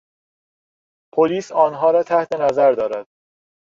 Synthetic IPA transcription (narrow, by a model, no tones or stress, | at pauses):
pʰoliːsɒːnɦɒːɾɒːt̪ʰæht̪ʰe̞næzæɾd̪ɒːɾæd̪̥